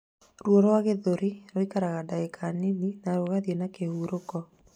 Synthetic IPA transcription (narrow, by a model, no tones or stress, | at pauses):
ɾwoɾɔwaɣeðoɾiɾoikaɾaɣadaekʰanininaɾoɣaðjenakehuɾokɔ